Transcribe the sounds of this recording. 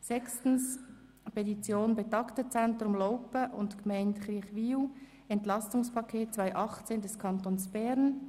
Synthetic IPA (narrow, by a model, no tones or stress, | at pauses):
sɛkstn̩s | pʰetit͡sjoːnbɛtɑktət͡sɛnt̪ɾʊmlɔʊpəʔʊ̰ntkmɛɪntχɾiːɐχʋiːu | ɛntlɑstʊŋspʰɑkʰeːt̚t͡svaɪʔɑχt͡seːndɛskʰɑnt̪oːnsb̥ɛɾn